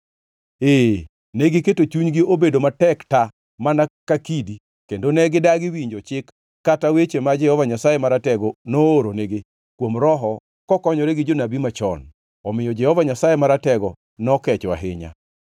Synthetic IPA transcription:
e | nɛɡɪketot͡ʃuɲɡɪobedomatɛkta | manakakidi | kendonɛɡɪdaɡɪwiɲd͡ʒɔt͡ʃɪkː | atawet͡ʃemad͡ʒɛhɔvaɲasajemaɾatɛɡɔnooɾoneɡe | kwomɾɔɦɔ | kɔkɔɲɔɾeɡɪd͡ʒonabimat͡ʃɔ̰n | ɔmɪjɔd͡ʒɛhɔvaɲasajemaɾatɛɡɔ | nɔkɛt͡ʃwa̰ɦɪɲa̰

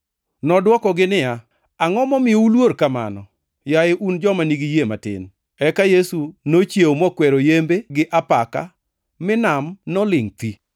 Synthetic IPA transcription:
nɔdwɔkɔɡɪnɪja | aŋɔmɔmɪjoulwoɾkama̰nɔ | jaɪʔund͡ʒɔmaniɡijematɪ̰n | ɛkajesunot͡ʃjeomɔkwɛɾojembeɡɪʔapaka̰ | mɪnamnɔlɪŋt̪i

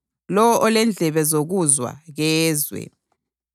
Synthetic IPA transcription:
lɔwɔʔɔlɛnd͡ɮʱɛβɛzoɣuzwa̰ɣɛːzwɛ̰

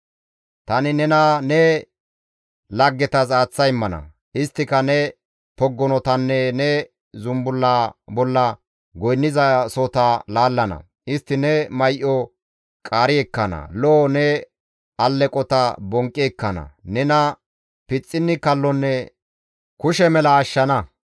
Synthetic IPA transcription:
t̪ɐnɪnɛnɐnɛ | lɐɡːɛt̪ɐs̬aːt͡sːɐjɪmːɐnɐ̰ | ʔɪst̪ːɪkɐnɛ | pɔɡːɔnɔt̪ɐnːɛnɛ | zʊmbʊlːabɔlːɐ | ɡɔjnːɪzɐsɔt̪ɐlaːlːɐnɐ̰ | ɪst̪ːɪnɛmɐjʔɔ | kʼaːɾɪɛkːɐnɐ̰loːnɛ | ɐlːɛkʼɔt̪ɐbɔŋkʼːiɛkːɐnɐ̰nɛnɐ | pɪt͡sʼːɪnːɪkɐlːɔnːɛ | kʊʃɛmɛlɐːʃːɐnɐ

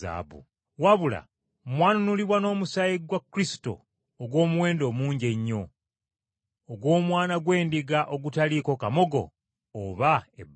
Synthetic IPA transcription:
a̰ːbṵ | waβula̰ | mwaːnunuliβwano̞ːmusajiɡwakːuɾisi̥to̞̰ː | ɡwo̞ːmuwe̞ːndo̞ːmuːɲɟe̞ɲːo̞ | ɡwo̞ːmwaːnaɡwe̞ːndiɡaʔo̞ɡutaliko̞kamo̞ɡo̞̰ː | βae

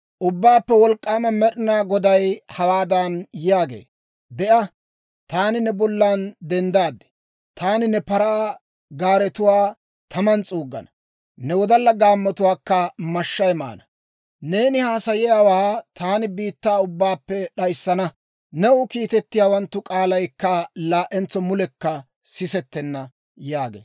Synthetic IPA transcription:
ʔʊbːaːpːɛwɔlkʼːaːmɐmɛɗɪnaːɡɔd̪ɐjhɐwaːd̪anjjaːɡḛː | b̪ɛʔɐ | t̪aːnɪnɛbɔlːaːnd̪ɛnd̪aːd̪ːɛ̥ | t̪ʰaːnɪnɛpɐɾaː | ɡaːɾɛt̪ʊwaː | t̪ʰɐmɐnt͡sʼuːɡːɐ̰nɐ | nɛwɔd̪ɐlːɐɡaːmːɐt̪ʊwaːkːɐmɐʃːɐjma̰ːnɐ | ne̞ːnɪhaːsɐjɛjaːwaːt̪ʰaːnɪbiːt̪ːaːʊbːaːpːɛɗɐjsːɐnɐ | nɛʊkiːt̪ɛt̪ːɪjaːwɐnt̪ːʊkʼaːlɐjkːɐlaːʔɛnt͡sːɔmʊlɛkːɐ | sɪsɛt̪ːɛnːɐ | jaːɡḛː

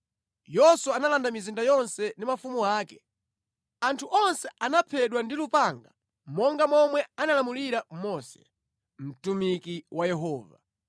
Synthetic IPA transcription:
jɔswaanalandamizindajɔnsɛndimafumuaːkɛ̥ | antʰuʔɔnsɛanapʰɛɗwandilupaŋɡa | mɔŋɡamɔmwɛanalamuliɾamɔsɛ̰ | m̩tumikiwajɛɦɔːva

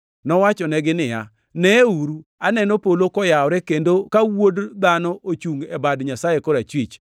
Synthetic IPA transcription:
nɔwat͡ʃɔnɛɡɪnɪja̰ | nɛuɾuanɛnopolokɔjaɔɾɛkendokawodd̪anɔʔot͡ʃuŋɛbadɲasajekoɾat͡ʃwit͡ʃ

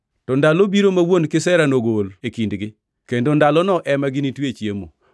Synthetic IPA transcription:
tɔndalobiɾomawonkɪsɛɾanoɡolekindɡɪ | kendondalɔnɔʔɛmaɡɪnitwet͡ʃjemo̰

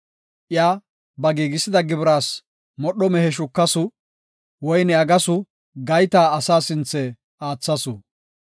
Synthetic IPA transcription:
ʔɪjaː | bɐɡiːɡɪsɪd̪ɐɡɪbɾaːs | mɔɗɔmɛhɛʃ̬ʊkːɐsʊ | wɔjnɛɐɡɐsʊ | ɡɐjt̪aːɐsaːsɪnt͡sːɛ | aːt͡sːɐsʊ̰

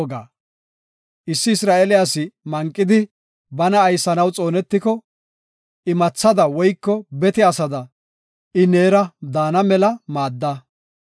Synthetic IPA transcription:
ɡa̰ː | ʔɪsːɪːsɾaːɛlɪjasɪmɐŋkʼːɪd̪ɪ | bɐnɐːjsːɐnɐwt͡sʼo̞ːnɛt̪ːɪkɔ | ɪmɐt͡sːɐd̪ɐwɔjkːɔbɛt̪ɪɐsɐd̪ɐ | ɪne̞ːɾɐd̪aːnɐmɛlɐmaːd̪ːɐ

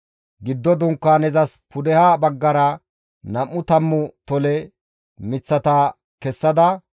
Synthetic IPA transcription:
ɡɪd̪ːɔd̪ʊŋkːaːnɛzɐspʰʊd̪ɛhaːbɐɡːɐɾɐ | nɐmːʊt̪ɐmːʊt̪ɔlɛ | mɪt͡sːɐt̪ɐ | kɛsːɐd̪ɐ

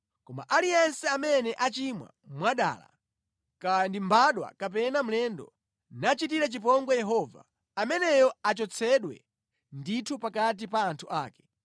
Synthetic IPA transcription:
kɔma̰ʔalijɛnsɛamɛnɛʔat͡ʃimwa̰mwaɗa̰ːla̰ | kandimbaɗwa̰kap̬ɛnam̩lɛndɔ̰ | nat͡ʃit̬iɾat͡ʃipɔŋɡɔjɛɦɔva̰ː | mɛnɛjɔat͡ʃɔt͡sʰɛɗwɛ̰ | nditʰupakat̬ipaːntʰuʔaːkɛ̥

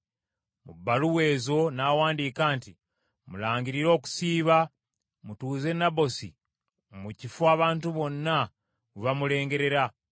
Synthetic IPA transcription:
mṵbːaluweːzo̞nawaːndiːkaːnti | mulaːɲɟiɾiɾo̞ːku̥siːβa | mutuːze̞naβo̞sḭ | mucifuaːβaːntuβo̞nːa | uβamule̞ːŋɡe̞ɾe̞ɾa

